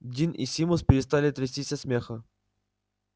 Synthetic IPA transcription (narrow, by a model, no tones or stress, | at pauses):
dʲinʔisʲimʊspʲɪɾʲɪst̪alʲɪt̪ɾʲɪsʲtʲisʲɐsmʲexə